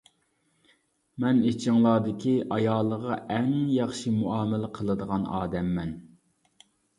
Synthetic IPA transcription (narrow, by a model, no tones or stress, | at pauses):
mɛnet͡ʃʰɪŋlˠɑːd̪ɪkʲʰiʔɑjɑːlˠːəʁɑʔɛŋjɑχʃimuɑːmɪlɪqʰəlˠɨd̪əʁɑnɑːd̪ɛmːɛn